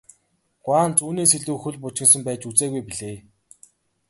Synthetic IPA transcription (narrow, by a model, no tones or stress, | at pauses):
ɡ̥waːnt͡suːniːseɮuːxɵɮʲp̬ʊt͡ɕɪ̆ŋs̬ə̆mpæːt͡ɕut͡seːɣujpiɮeː